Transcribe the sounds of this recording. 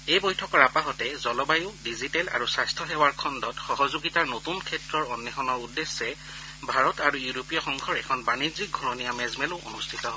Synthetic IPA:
ejbɔjtʰɔkɔɹapaɦɔtɛzɔlɔbajʊdizitɛla̰ɹusajstʰɔɦɛwaɹkʰɔndɔtxɔɦɔzoɡitaɹnotunkʰɛtɹɔɹɔnːɛxɔnɔɹudːesːɛ | bʱaɹɔtaɹujuɹopijɔxɔŋɡʱɔɹɛkʰɔnbanizik̚ɡʱɔɹɔnijamɛzmɛlʊʔo̰nustʰitɔ

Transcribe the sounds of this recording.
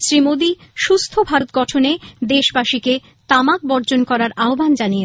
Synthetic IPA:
sɾimod̪iʃust̪ʰobʱaɾt̪̚ɡɔʈʰoned̪eʃbaʃike | t̪amak̚bɔɾd͡ʑonkɔɾaɾaobʱand͡ʑanije

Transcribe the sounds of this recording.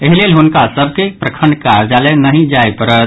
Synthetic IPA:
eɦilelɦunkasəb̚ʱkepɾəkʰəɳɖkaɾd͡ʒalenəɦĩd͡ʒajpəɾət̪

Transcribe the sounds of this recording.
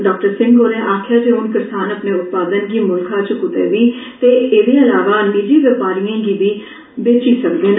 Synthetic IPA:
ɖɔːk̚ʈəɾsɪ̃ŋɡɡoːlẽːʔaːkʰjaːd͡ʒeːɦʊnkɪɾsaːnəpneːʊt̪̚paːd̪ənɡiːmʊlkʰãːt͡ʃkʊt̪ḛːʋiːt̪eːeːd̪eːəlaːʋaːniːd͡ʒiːʋəpaːɾijãːɡiːʋiː | beːt͡ʃiːsəkd̪eːn

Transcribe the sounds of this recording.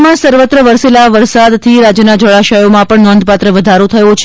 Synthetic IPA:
mãsəɾʋət̪ɾəʋəɾselaʋəɾsad̪t̪ʰiɾad͡ʒjənad͡ʒəɭaʃəjomãpəɳnɔnd̪̚ʱpat̪ɾəʋəd̪ʱaɾot̪ʰəjõt͡ʃʰ

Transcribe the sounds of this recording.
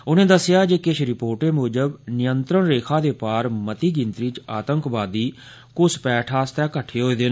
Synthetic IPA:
ʊnẽːd̪əsːɪjaːd͡ʒeːkɪʃʰɾɪpoːɾʈeːmoːd͡ʒəbnɪjənt̪ɾəɳɾeːkʰaːd̪eːpaːɾmət̪iːɡɪnt̪ɾiːt͡ʃaːt̪əŋkʋaːd̪iː | kʊspɛːʈʰaːst̪ɛːkəʈʰːeːɦoːiːd̪eː

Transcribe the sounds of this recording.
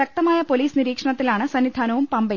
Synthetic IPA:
ɐk̚t̪ɐmaːjɐpo̞liːsniɾiːkʂɐɳɐt̪ːilaːɳɨsɐnːid̪ʱaːnɐʋumpɐmbɐ

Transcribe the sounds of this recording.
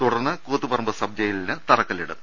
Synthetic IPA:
t̪uɽɐrnːɨkoːt̪ːupɐrɐmbɨsɐb̚d͡ʑɐjilinɨt̪ɐrɐkːɐliɽɨ̰

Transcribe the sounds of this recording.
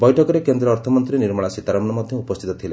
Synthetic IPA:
bɔjʈʰɔkɔɾekend̪ɾɔːɾt̪ʰɔmɔnt̪ɾiniɾmɔɭasit̪aɾamɔnɔmɔd̪ʱjɔupɔst̪ʰit̪ɔt̪ʰile

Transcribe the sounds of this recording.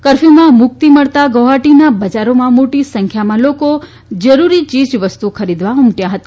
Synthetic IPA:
kəɾfimãmʊk̚t̪iməɭt̪aɡoɦaʈinabəd͡ʒaɾomãmoʈisəŋkʰjamãloko | d͡ʒəɾuɾit͡ʃid͡ʒʋəst̪ukʰəɾid̪ʋaʊmʈjaɦət̪a

